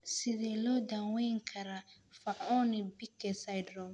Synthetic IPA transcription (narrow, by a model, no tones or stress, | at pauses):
sɪðɛlɔːd̪awɛjŋkʰɐɾa | faʕɔːnɪbikːɛsajd̪ɾɔ